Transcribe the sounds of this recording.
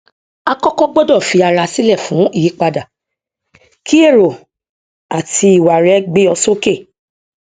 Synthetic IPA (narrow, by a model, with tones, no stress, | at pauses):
a˧kɔ˦kɔ˦ɡ͡bo˦dɔ˦˨fi˧a˧ɾa˧si˦lɛ˦˨fũ˨˦i˦˨ji˨˦k͡pa˧da˨ | kʰi˦e˦˨ɾo˨ | a˨ti˧i˨wa˨ɾɛ˨˦ɡ͡be˦ɔ˧so˦ke˦˨